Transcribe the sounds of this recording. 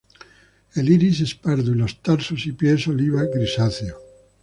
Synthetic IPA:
eliɾisespaɾðulost̪aɾsosipjesoliβaɡɾisaθjo

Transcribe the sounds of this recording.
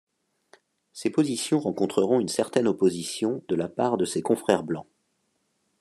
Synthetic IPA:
sepozisjɔ̃ʁɑ̃kɔ̃t̪χəʁɔ̃ynsɛʁt̪ɛnɔpozisjɔ̃d̪əlapaʁd̪əsekɔ̃fχɛʁblɑ̃

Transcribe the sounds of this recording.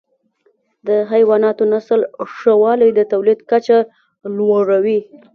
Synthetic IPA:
d̪əɦajwɑnɑt̪onasəlʂawɑlajd̪ət̪awlid̪kat͡ʃa | lwaɽawi

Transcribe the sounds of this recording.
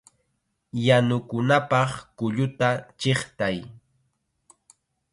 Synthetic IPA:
janʊkʊnapɑχkʊʎʊt̪at͡ʃeχt̪aj

